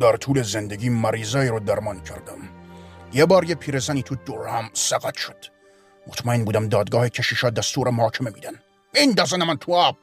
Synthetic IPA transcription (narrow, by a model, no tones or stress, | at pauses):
d̪æɾt̪ʰuːlezend̪eɡʲiːmæɾiːzɒːiɾɔd̪æɾmɒːncʰæɾd̪æmjebɒːɾjepʰiːɾezæniːt̪ʰud̪oɾhæmsæɡæt̪ʃod̪̥ | mot̪ʰmæenbuːd̪æmd̪ɒːd̪ɡɒːhecʰæʃiːʃɒːd̪æst̪uːɾemohɒːcʰememḭːd̪æn | ind̪æzænæmænt̪ʰuæːb̚